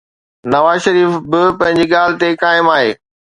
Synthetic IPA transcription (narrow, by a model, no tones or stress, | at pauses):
nɐʋaːzʃɐɾiːfbɪpɐ̃ɦɪ̃ɲd͡ʑiːɠaːl̤ɪt̪ekaːɪmaːɦḛː